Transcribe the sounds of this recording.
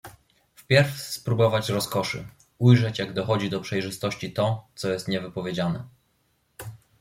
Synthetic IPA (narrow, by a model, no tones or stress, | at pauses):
fpʲjɛɾfspɾubɔvat͡ɕɾɔskɔʂɘ̰ | ujʐɛt͡ɕjaɡd̪ɔxɔd͡ʑid̪ɔpʂɛjʐɘst̪ɔɕt͡ɕit̪ɔt̪sɔjɛst̪ɲɛvɘpɔvʲjed͡ʑanɛ